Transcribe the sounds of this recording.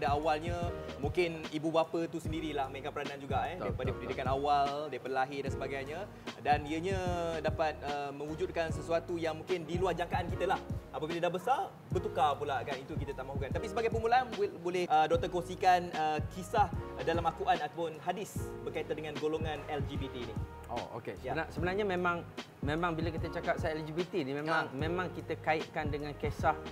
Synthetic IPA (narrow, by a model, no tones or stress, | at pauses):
dəawalɲamũŋkɪnibubapət̪usəndiɾilahməŋikat̪̚pəɾanaand͡ʒuɡaɛdiəpadəpəndidikanawaldiəpəəlaɦɪdansəbaɡajɲa | daniəɲãdapat̪̚əmə̃ŋud͡ʒʊt̚kansəsuat̪ujaŋmũŋkɪndiluahd͡ʒaŋkaʔankit̪əlahapəbilədabəsar | bət̪ukapulakanit̪uk̬it̪ət̪amaɦukant̪apisəbaɡajpəmulaanbolɛhədot̪əkoŋsikanəkʰisahdalamakuʔanat̪apʊnɦadɪsbərkait̪andəŋãnɡoloŋãnɛld͡ʒibit̪iːni | ʔo̰o̰kesəjabənasəbənarɲamẽmãŋ | mẽmãŋbilak̬it̪ət͡ʃakap̚saɛld͡ʒibit̪inimẽmãŋmẽmãŋkit̪əkaiʔ̚kandəŋãnkesah